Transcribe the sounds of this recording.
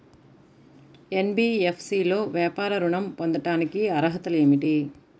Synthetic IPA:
enbiːepʰsiːlo̞ːʋjaːpaːɾɐɾuɳɐmpond̪ɐʈaːnikiɐɾɐɦɐt̪ɐleːmiʈi

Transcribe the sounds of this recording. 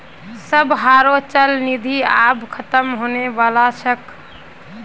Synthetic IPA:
səbɦaɾot͡ʃəlnid̪ʱiabkʰət̪əmɦoneʋalasək

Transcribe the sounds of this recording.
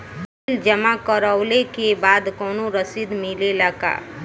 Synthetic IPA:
bɪld͡ʒəmakəɾəʊlekebaːd̪kɔːnoɾəsid̪mɪlelaɡa̰ː

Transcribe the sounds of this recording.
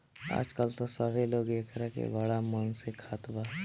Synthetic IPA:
a̰ːd͡ʒkəlt̪osəbʱeloːɡekʰɾəkḛbəɽamənsekʰaːt̪baː

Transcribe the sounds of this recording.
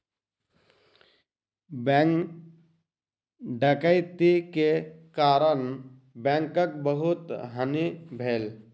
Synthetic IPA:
b | ɖʱəkəjt̪ikekaːɾən | bɛ̃ːŋkək̚bəɦʊt̪ɦənibʱeːl

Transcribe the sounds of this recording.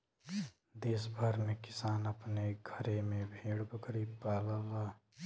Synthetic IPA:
d̪eːsbʱəɾmẽkɪsaːnəpneɡʱəɾemẽbʱeːɽbəkəɾiːpaːlalaː

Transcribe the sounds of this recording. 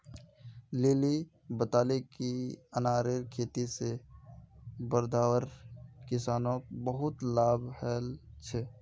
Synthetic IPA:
leːli | bət̪aːlekiənaːɾeɾkʰeːt̪ise | bəɾd̪ʱaːwəɾkɪsaːnõːkbəɦʊt̪laːbhɛːlt͡ʃʰɛː

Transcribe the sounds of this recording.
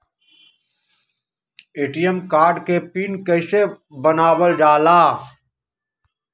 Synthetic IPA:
eːʈijəmkaːɾɖkepiːnkəɪse | bənaːwəlɖaːlaː

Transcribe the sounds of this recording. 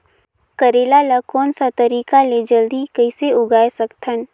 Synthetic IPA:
kɐɾeːlalakɔːnsat̪ɐɾiːkaled͡ʒəld̪ikəɪseʊɡaːesɐkt̪ʰən

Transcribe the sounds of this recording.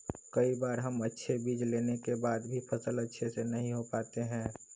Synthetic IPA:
kɐibaːɾɦəmətːʃʰebiːd͡ʒleːnekebaːd̪bʱipʰɐsələtːʃʰesenɐɦĩɦopaːt̪eɦɛ̃ː

